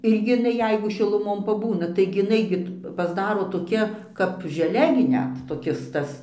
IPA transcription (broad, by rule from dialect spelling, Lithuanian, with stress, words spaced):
ˈɪrʲɡʲɪ ɪˈnɐɪ ˈjɛɪɡʊ ʃʲɪlˠʊˈmoːn pɐˈbuːnɐ tɐɪɡʲɪ ɪˈnɐɪ ɡʲɪ pɐzˈdɑːroː toːˈkʲɛ kɐp ʒʲɛˈlʲɛ ɡʲɪ ˈnʲɛt toːˈkʲɪs ˈtɐs